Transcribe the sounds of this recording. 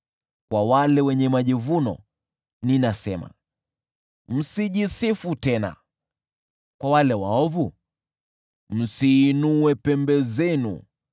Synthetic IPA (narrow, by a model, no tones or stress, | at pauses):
kwawalɛwɛɲɛmaʄivunɔ̰ | ninasɛma̰ | m̩siʄisifutɛna̰ | kwawalɛwaɔvu | m̩siːnuwɛpɛmbɛzɛnṵ